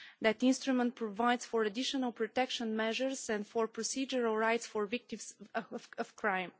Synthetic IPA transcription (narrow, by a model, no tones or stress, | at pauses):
d̪æt̪ɪ̃nst̪ɾumɛ̃nt̪̚pɾɔvaɪd̪sfɔɹəd̪ɪʃɔnəlˠpɾɔt̪ɛkʃə̃nmɛʒəɹsɛ̃ndfɔɹpɾɔsid͡ʒəɹəlˠɹajt̪sfɔɹvɪk̚t̪ĩmsəvkʰɹãɪ̃m